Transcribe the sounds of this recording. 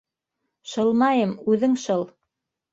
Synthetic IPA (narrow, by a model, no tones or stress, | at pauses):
ʃɤ̆lˠmɑjɤmʉðɘŋʃɤlˠ